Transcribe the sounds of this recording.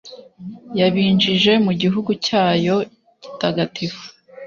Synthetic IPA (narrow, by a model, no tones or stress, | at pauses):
jaβiːnd͡ʒiʒe̞muɟiɦuɡucaːjo̞ | ɟ̥i̥taɡatʰifu̥